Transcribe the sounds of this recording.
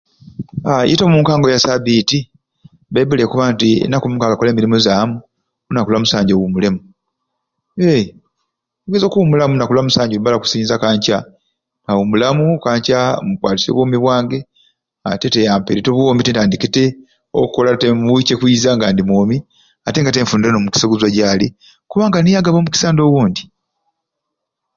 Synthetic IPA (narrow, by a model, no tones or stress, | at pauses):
a̰jetomuːŋkaːŋɡojasaβiːti | beβule̞kuβaːntiḛnakomuːŋkaŋɡakoleːmiɾimozaːmu | unakulwamusaːɲɟowumulemu | e | uɡezokumulamunakulwamusaːɲɟouβalaku̥siːɲizakaːɲca | ŋawumulamukaːɲcamukwaːtisḛβwoːmiβwaːŋɡe̞ | a̰te̞te̞jaːmpeɾitoβuoːmbitetaːndikite̞ | o̰kukolatemuwicekwiːzaŋɡaːndimwoːmi | ate̞ŋɡateɱfuːndɾnomuki̥seɡuzwaɟali | kuβaːŋɡanijaɡaβo̞ːmuki̥saːndo̞wuːndi